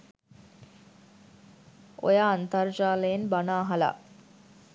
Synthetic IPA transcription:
o̰jaːnt̪ard͡ʒaːlejenbanaːɦala̰

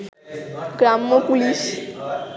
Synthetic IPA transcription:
ɡɾamːəpulis

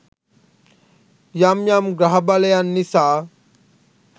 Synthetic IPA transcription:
jamjamɡɾaɦbalɐjanːisa

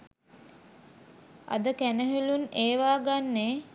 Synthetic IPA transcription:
a̰d̪əkænəɦeluneːʋaːɡanːeː

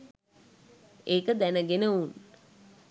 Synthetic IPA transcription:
eːkəd̪ænəɡenəun

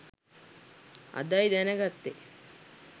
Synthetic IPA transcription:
a̰d̪ajd̪ænəɡat̪ːe

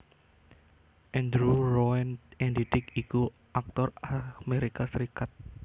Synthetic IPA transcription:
ʔɛnd̪ɾuɾɔɛnɛndit̪ɪkiku | ʔak̚t̪ɔrameɾikasɾikat̪̚

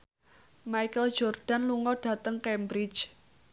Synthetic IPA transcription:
maikəl̥d͡ʒɔrɖ̥a̤nluŋɔɖ̥ä̤t̪əŋkɛmbɾi̥t͡ʃ

